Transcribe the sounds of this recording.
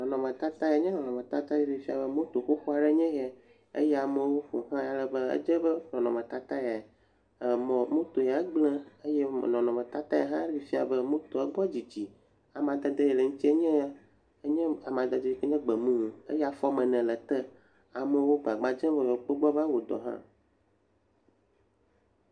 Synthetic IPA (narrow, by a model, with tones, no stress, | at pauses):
nɔ̃˨nɔ̃˨mɛ̃˨t̪a˦t̪a˦ja˨˦ɲɛ̃˦nɔ̃˨nɔ̃˨mẽ˨t̪a˦t̪a˦jɛ˦ɖi˨fi˦a˨bə˦mõ˦t̪o˨xo˦xo˦a˨ɖɛ˦ɲɛ̃˦ɣɛ˨ | ḛ˦jɛ˦a˨mə˦wo˦ɸo˨ɦã˦ja˨lə˨bə˦ə̰˦d͡ʒə˦bə˦nɔ̃˨nɔ̃˨mɛ̃˨t̪a˦t̪a˦ja˨ | mɔ̃˨mõ˦t̪o˨ja˨˦ɡ͡blɛ̃˦ə˦jɛ˦˨nɔ̃˨nɔ̃˨mɛ̃˨t̪a˦t̪ã˦ja˦ɦã˦i˨fi˦a˨bə˦mũ˦t̪o˨ɛ˦ɡ͡bɔ˦d͡ʑi˨d͡ʑi˨ | a˨mã˨d̪ɛ˨d̪e˦jɛ˨lə˨ŋũ˦t̪i˦e˦ɲɛ̃˦a˦ | ə˦ɲɛ̃˦a˨mã˨d̪ə˨d̪e˦˨ke˦ɲɛ̃˦ɡ͡bɛ˨mũ˦˨ḛ˦jɛ˦a˨fɔ˦mɛ̃˨nɛ̃˨lɛ˨t̪ɛ˦ | a˨mə̃˨˦wo˦ɡ͡ba˨ɡ͡ba˨d͡ʒɛ̃˦vɛ˨jɔ˨k͡po˦ɡ͡bɔ˦ba˦wo˨d̪ɔ̰˨ɦã̰˦